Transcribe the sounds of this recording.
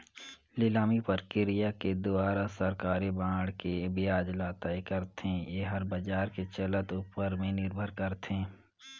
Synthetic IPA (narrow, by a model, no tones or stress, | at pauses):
lɪlaːmipəɾkɪɾijaked̪ʊaːɾasɐɾkaːɾibãːɽkebɪjaːd͡ʒlaːt̪aekɐɾt̪ẽjeɦɐɾbɐd͡ʒaːɾket͡ʃɐlət̪upəɾmẽnɪɾbʱəɾkəɾt̪ẽː